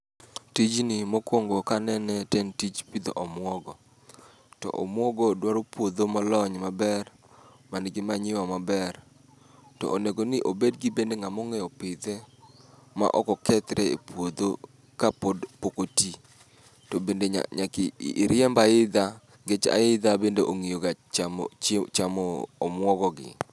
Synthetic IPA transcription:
tid͡ʒnɪmokwoŋɡokanɛnɛtɛntit͡ʃpid̪o̰ʔɔmwɔɡɔ | tɔ̰ʔɔ̰mwɔɡɔdwaɾopwod̪omɔlɔɲmabɛr | manɡɪmaɲɪwamabɛr | tɔ̰ʔoneɡonɪʔobedɡɪbendeŋamɔŋɛjɔpɪd̪ɛ | ma̰ʔɔkɔkɛt̪ɾɛḛpwod̪o | kapodpokoti | tɔbendḛɲakːɾɪɛmbaɪd̪a | ɡet͡ʃa̰ɪd̪abendeʔoŋijoɡat͡ʃ | t͡ʃamɔːmwɔɡɔɡɪ̰

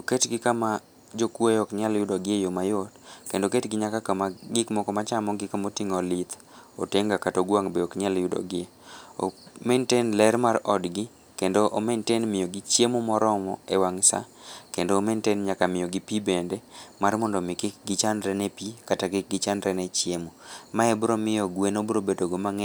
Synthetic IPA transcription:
oketɡɪkama | d͡ʒokwejɔkɲaljʊdɔɡɪejomajotkendoketɡɪɲakakamaɡɪkmɔkɔmat͡ʃamɔɡɪkamotiŋɔlit̪ | o̰teŋɡakatoɡwaŋbeɔkɲaljʊdɔ̰ɡɪeo̰mentenlɛɾmaɾɔdɡɪ | kendoʔomentenmɪjoɡɪt͡ʃemomɔɾɔmɔ̰ɛwaŋsa̰kendoːmentenɲakamɪjoɡɪpibendemarmɔndɔmɪkɪk̚ɡɪt͡ʃandɾɛnɛpikataɡɪk̚ɡɪt͡ʃandɾɛnɛt͡ʃjemomaɛbɾomɪjɔɡwenobɾobedoɡomaŋɛ

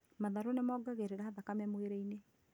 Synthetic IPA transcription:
maðaɾonemɔɡaɣeɾeɾahaðakamɛmoeɾɛine

